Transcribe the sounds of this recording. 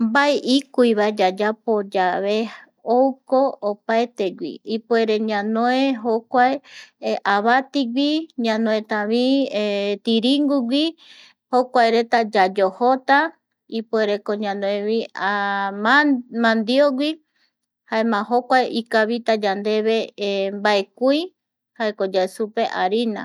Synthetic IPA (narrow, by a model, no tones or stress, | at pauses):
mbaeʔikuiβaed͡ʒad͡ʒapod͡ʒaβe | owkoopaet̪eɡʷḭipueɾeɲãnõeɦokʷaeʔaβat̪iɡʷiɲãnõẽt̪ãβiet̪iɾiŋɡuɡʷi | hokʷaeɾe̞t̪ad͡ʒad͡ʒohot̪a | ipoeɾekoɲãnõẽβia | mãnd̪ioɡʷi | haemãɦokʷaeʔikaβit̪ad͡ʒand̪e̞βembaekui | haekod͡ʒaesupe̞ʔaɾinã̰